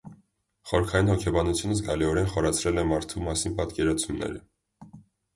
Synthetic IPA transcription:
χɔɾkʰɑjinhɔkʰɛbɑnut͡sʰjunəs̬ɡɑliɔɾɛnχɔɾɑt͡sʰɾɛlɛmɑɾt̪ʰumɑsinpɑt̪kɛɾɑt͡sʰumnɛ̰ɾə̰

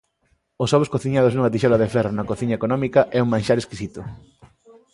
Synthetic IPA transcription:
osɔβoskoθiɲað̞oznuŋɐt̪̬iʃɔlaðefɛronɐkoθiɲɐekonɔmikɐʔɛuŋmãnʃaɾeskisit̪ʊ

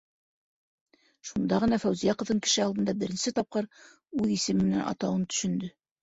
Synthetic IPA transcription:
ʃund̪ɑʁɤ̆nɑfæwzijæqɤ̆vðɤŋkɘ̥̆ʃɘɑlˠd̪ɤ̆nd̪ɑbɘ̆ɾɘ̆nsɘt̪ɑp̚qɤɾ | ʉðisɘmːɘ̆nænɑ̰t̪ɑwɤnt̪ɵ̥̆ʃɵ̆nd̪ɵ

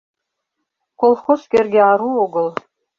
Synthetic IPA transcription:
kʷʰolˠχoskʲerɡʲeaɾuoɡəl

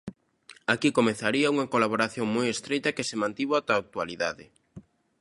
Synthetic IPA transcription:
akikomeθaɾiɐuŋɐkolaβoɾaθjoŋmojest̪ɾejt̪ɐkɪsemãnt̪iβat̪aːk̚t̪ualiða̰ðɪ

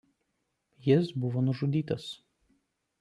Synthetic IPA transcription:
jɪsbʊʋoːnʊʒʊd̪ʲiːt̪ɐs

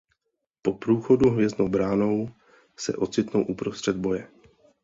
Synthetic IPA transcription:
po̞pɾuːxo̞duɦvjɛznowbɾaːno̞w | sɛ̰ʔo̞t͡sɪt̪nowʔupɾost̪r̥ɛd̪̚bo̞jɛ

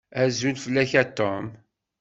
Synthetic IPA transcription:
æzulfəlːæçæt̪ːom

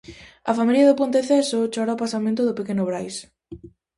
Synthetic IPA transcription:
ɐfamiljɐðʊpõnt̪eθɛsot͡ʃoɾaʊpasamẽnt̪ʊðʊpekenʊβɾajs

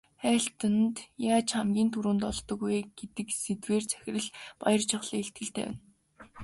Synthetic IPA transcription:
χæːɬt̪ə̆nt̪jaːt͡ɕχamɡʲiːnt̪ʰuɾuːnt̪ɔɮt̪ɞ̆ɡujɡ̥et̪ɘ̆kset̪weːrt͡sʰæ̥xʲɪ̆rɘ̆ɮpa̰jɞ̆rt͡ɕʰɪ̆χɮ̥iːeɬt̪̚ɡɘ̆ɬt̪ḛːwæ̰̆n

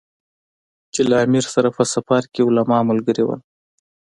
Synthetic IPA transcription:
t͡ʃelaamiɾsaɾapəsafaɾkeʊlamɑmʊlɡəɾewə̰l

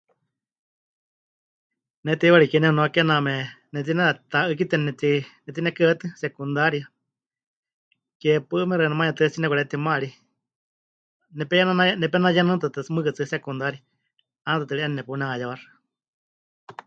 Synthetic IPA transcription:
nɛt̪iiβaɺikɛnɛhunoakɛnamɛ | nɛt̪̬inɛt̪aʔɨk̬it̪ɛnɛt̪inɛt̪inɛkɨət̪ɨsɛkund̪aɾia | kɛpɨʔɨmɛɾɛnamãɲɛt̪ɨt͡sinɛkʷɛt̪imãɺi | nɛpɛjanananɛpɛnajanɨ̃t̪at̪ɨmɨkɨt͡sɨsɛkund̪aɾia | anat̪at̪̬ɨɺiʔanɛnɛpunɛajaβaɾɨ̥

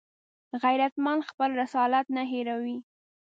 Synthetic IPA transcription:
ɣajɾat̪manxpəlɾɪsɑlat̪naɦeɾawi

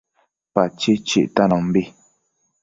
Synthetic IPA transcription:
pat͡ʃit͡ʃḭʔtanɔm̩bi

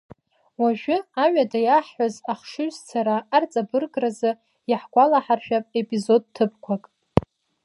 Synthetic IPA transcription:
waʒᶣʊaɥʷadajaħħʷazaχʂɨɥzt͡sʰaɾaːrt͡sʼabɨrɡʼrazɨ | jaħɡʷalaħarʒᶣapʼepʼizo̞d̚tʰɨpkʷʰakʼ

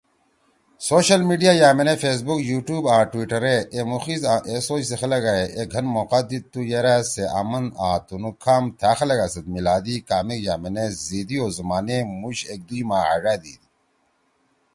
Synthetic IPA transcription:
soːɕɐlmiːɖijaːjaːmenefeːs̬bukjuːʈjuːbaːʈwiʈɐɾeʔemuxizaːʔesoːt͡ɕsexɐlɐɡaeʔeɡʱɐnmoːqad̪it̪ːujeɾaːseʔa̰mɐnaːt̪unukʰːaːmt̪ʰaːxɐlɐɡasɐt̪milaːd̪iːkaːmikjaːmenezid̪ioːzumaːnemuɕek̚d̪uimaːa̰ɖaːd̪ḭːd̪i

